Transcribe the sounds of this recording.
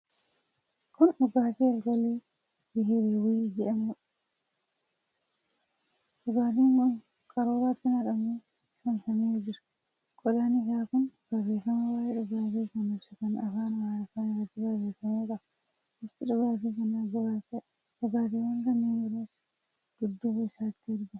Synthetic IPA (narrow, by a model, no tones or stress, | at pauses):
kʊnᶑʊɡaːt̪iːɐlɡɔliː | bɪheɾeːwid͡ʒɛᶑɐmʊᶑɐ̥ | ᶑʊɡaːt̪̬iːɐn | kʼɐɾoːɾat̪ːɪnɐkɐmeː | fʊnfɐmeːd͡ʒɪɾɐ̥ | kʼɔᶑaːnɪsaːkʊnb̥ɐbeːfɐmɐwaːʔeːᶑʊɡaːt̪iːkɐnʊfsɐkɐnɐfaːnwaːjɐfaːnɪrːɐt̪ːɪbabeːfɐmuːᶑɐ | ɪft̪ɪᶑʊɡaːt̪iːkɐnɐɡʊaːt͡ʃːɐ | ᶑʊɡaːt̪iːwɐŋɡɐnːeːnbɪɾeːs | ɡ̥ʊd̪ːuːbɐsaːɪt̪ːɪɪɾɡʊ